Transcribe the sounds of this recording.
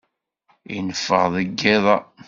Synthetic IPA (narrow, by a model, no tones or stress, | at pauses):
ḭnəfːə̰ʁðˤəɡːeðˤɑ